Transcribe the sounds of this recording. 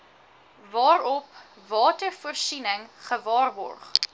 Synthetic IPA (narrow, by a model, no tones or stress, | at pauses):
vɑːɾɔp | vɑːtərfuərsinəŋχəvɑːrbɔ̰rχ